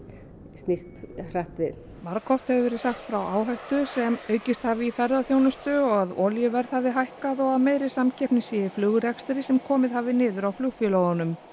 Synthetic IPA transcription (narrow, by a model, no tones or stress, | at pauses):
st̪nist̪r̥aht̪vɪð | maɾkʰɔft̪hɛvʏvɛːɾɪðsaxt̪fɾawʔaːwɦajht̪ʏsɛmœːɥcɪst̪haːvɪifɛɾðaθjownʏst̪ʏɔɣaðɔ̰ljʏvɛɾð̥haːvɪɦajhkaðɔɣaðmeːjɾɪsamcʰɛhpnɪsɛɪflʏːɣʏɾɛkst̪ɪɾɪsɛmkʰɔːmɪðhaːvɪnɪːðʏɾawfluɣfjɛloːwɣanʏm